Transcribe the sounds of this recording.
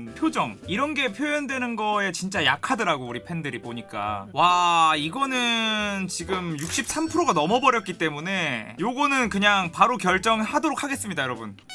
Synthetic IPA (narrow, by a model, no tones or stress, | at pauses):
pʰjod͡ʑʌŋiɾʌnɡe̞pʰjojʌndwe̞nɯnɡʌe̞t͡ɕint͡ɕ͈ajakʰadɯɾaɡouɾipʰe̞ndɯɾiboɲik͈a̰waiɡʌnɯnt͡ɕiɡɯmjuk̚ɕ͈ip̚s͈ampʰɯɾoɡanʌmʌbʌɾjʌt̚k͈it͈e̞mune̞joɡʌnɯnkɯɲaŋpaɾokjʌɭt͡ɕ͈ʌŋhadoɾokʰaɡe̞s͈ɯmɲidajʌɾʌbun